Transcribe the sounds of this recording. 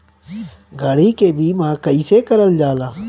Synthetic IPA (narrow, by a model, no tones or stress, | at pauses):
ɡʱəɽiːkeːbʱiːmãːkəiːseːkəɾəld͡ʒaːlaː